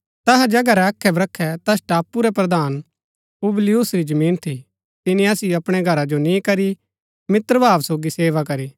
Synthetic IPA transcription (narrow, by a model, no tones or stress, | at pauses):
t̪ɐɦɛd͡ʒɐɡɐɾɛɐkʰːɛbɾɐkʰːɛt̪ɐsʈaːpːuɾɛpɾɐd̪aːn | ublɪjusɾid͡ʒɐmĩːnt̪ʰi | t̪ɪnĩaːsiɐpɽ̃ɛɡʱɐɾad͡ʒonĩkɐɾi | mɪt̪ɾəbʱaːʋsoːɡiseːʋakɐɾiː